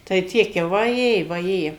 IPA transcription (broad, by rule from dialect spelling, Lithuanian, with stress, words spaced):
tɐɪ ˈtʲiɛk jɛʊ ʋɐˈjeː ʋɐˈjeː